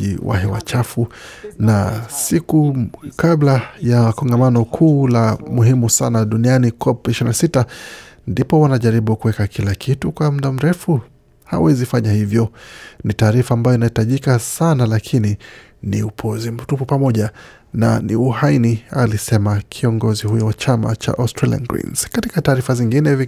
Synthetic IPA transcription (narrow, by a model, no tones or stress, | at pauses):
ḭwa̰hɛwa̰t͡ʃafunasikukablajakɔŋɡamanɔkʰuːlamuɦimusanaɗunianikʰɔpiʃiɾinasitandipɔwanaʄaɾiɓukuwɛkakʰilakʰitukwam̩ɗam̩ɾɛfu | ha̰wɛzifaɲahivjɔnitaːɾifaːmbajɔinahitaʄikasanalakʰini | niupʰɔzim̩tupupamɔʄa | na̰nḭuhainialisɛmakʰiɔŋɡɔzihujɔwat͡ʃama̰t͡ʃa̰ʔɔstɾalḭa̰nɡɾḭnz̥katikataːɾifaziŋɡinɛvi